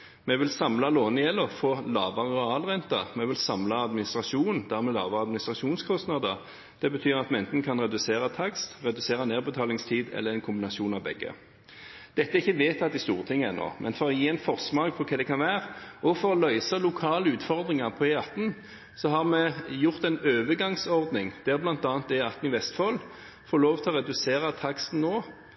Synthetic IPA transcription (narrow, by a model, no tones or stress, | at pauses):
mɛʋɪlsɑmlɑloːnɪjɛlːɔfoːlɑːʋɑʁəɛɑːlʁɛnt̪ɑ̰mɛʋɪlsɑmlɑɑd̪mɪnɪst̪ʁɑʃuːnn̩d̪̥æʁmɛlɑ̰ːʋəʁɑd̪mɪnɪst̪ʁɑʂuːnskʰɔst̪nɑd̪əʁ | d̪̥ɛbət̪ʰyːʁɑt̪mɛɛnt̪n̩kʰɑnʁɛd̪ʉseːɾət̪ʰɑkst̪ʁɛd̪ʉseːɾəneːʁbət̪ʰɑːlɪŋst̪ʰiːd̪ɛ̰lːəʁɛnkʰʊmbɪnɑsuːnɑʋbɛ̰ɡːə̰ | d̪̥ɛt̪ːəæɾɪçːəʋeːt̪ɑt̪̚d̪ɪst̪uːʁət̪ʰɪŋːəɛno̰ːmʔɛnfɔɾɔjiːɛnfɔʁsmɑɡpʰɔkʰɛːd̪ɛkʰɑnʋæːʁəɔfɔɾɔlœʏsəlʊkʰɑːləʉːt̪fɔʁd̪ʁɪŋɑʁpʰɔɛɑt̪n̩ | sɔɦɑʁmɛjʊʁt̪ɛɪnøːʋəɡɑŋsɔʁd̪nɪŋd̪̥æɾblɑnt̪ɑːnt̪d̪ɛɑt̪n̩ɪʋɛst̪fɔl | foːɾloːʋt̪ʰɪɔʁɛd̪ʉseːʁət̪ʰɑkst̪n̩ːoː